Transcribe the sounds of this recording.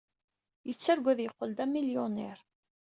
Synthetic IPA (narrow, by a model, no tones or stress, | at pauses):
jət͡sːæɾɡʷæðjəqːəld̪æmiljʊnɛɾ